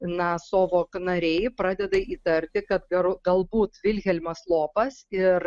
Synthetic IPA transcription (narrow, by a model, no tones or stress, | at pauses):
nɐsoːʋoːknɐɾʲɛɪpɾɑːd̪ʲɛd̪ɐiːt̪ɐɾʲt̪ʲɪkɐt̪ɡɐɾɡɐlˠbuːt̪ʋʲɪlʲɣʲɛlʲmɐslˠoːpɐsɪɾ